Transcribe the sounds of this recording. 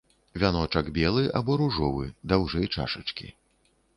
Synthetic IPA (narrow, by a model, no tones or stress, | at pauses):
vʲanɔt͡ʂɐɡbʲɛlˠɨʔa̰bɔɾuʐɔvɨ̰d̪awʐɛjt͡ʂa̰ʂɨt͡ʂkʲḭ